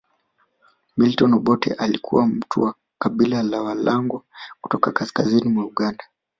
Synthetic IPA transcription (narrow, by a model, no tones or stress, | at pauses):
miltɔnɔɓɔtɛ̰ʔalikʰṵwam̩tʰuwa | kaɓilalawalaŋɡɔku̥tɔkakaskazinimwauɠanda